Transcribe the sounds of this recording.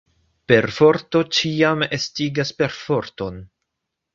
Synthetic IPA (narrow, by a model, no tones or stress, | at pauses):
pe̞ɾfo̞ɾto̞t͡ʃiamestiɡaspe̞ɾfo̞ɾto̞n